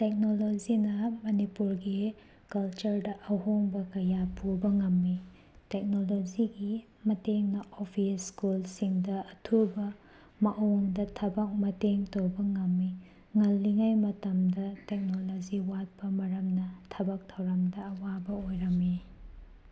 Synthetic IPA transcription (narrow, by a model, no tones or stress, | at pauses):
tek̚nolod͡ʒinɐmɐnipuɾɡi | kɐlt͡ʃɐɾdɐʔɐɦoŋbɐkɐjapubɐŋɐmːi | tek̚nolod͡ʒiɡi | mɐteŋnɐʔopʰiskulsiŋdɐɐtʰubɐ | mɐʔoŋdɐtʰɐbɐk̚mɐteŋtowbɐŋɐmːi | ŋɐlːiŋajmɐtɐmdɐtek̚nolod͡ʒiwat̚pɐmɐɾɐmnɐtʰɐbɐk̚tʰɐwɾɐmdɐːwabɐojɾɐmːi